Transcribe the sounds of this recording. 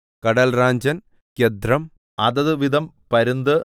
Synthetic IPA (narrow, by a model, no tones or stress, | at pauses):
kɐɽɐlraːɲd͡ʑɐn | ked̪ɾɐm | ɐðɐðɨʋid̪ɐm | pɐɾund̪ɨ